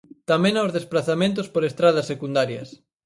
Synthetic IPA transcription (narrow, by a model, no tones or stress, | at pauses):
t̪amẽnaʊzðesplaθamẽnt̪̬ʊspoɾest̪ɾað̞ɐsːekund̪aɾjɐs